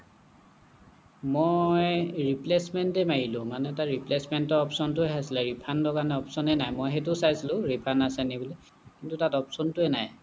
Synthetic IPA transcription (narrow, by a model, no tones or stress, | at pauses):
mojɹiplesmɛntɛmajilʊ̃manɛtaɹiplesmɛntɔɔpsɔntʊɛɦasilɛɹipʰandɔkanɛɔpsɔnɛnajmɔjɦɛtʊsajsilʊ̃ɹipʰanasɛnibɔlɛ | kintutatɔpsɔntʊɛnaj